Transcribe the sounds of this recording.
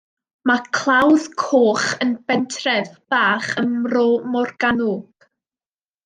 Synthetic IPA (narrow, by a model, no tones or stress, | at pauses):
makʰlˠawðkʰoːχənbɛntʰrɛðb̥aːχəmromɔrɡ̥anʊɡ̥